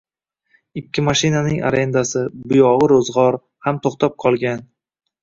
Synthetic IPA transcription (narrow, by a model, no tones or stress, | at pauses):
ɪkʲːɪmaʃɪnanɪŋʔa̰ɾe̞nd̪asɪbʊjɒʁɨɾozʁɒɾ | hamt̪ʰoχt̪ʰap̚qʰɒlˠɡʲan